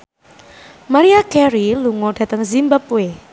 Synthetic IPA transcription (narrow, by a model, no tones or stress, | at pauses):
maɾiakɛɾiluŋoɖ̥ä̤t̪əŋzimbapwe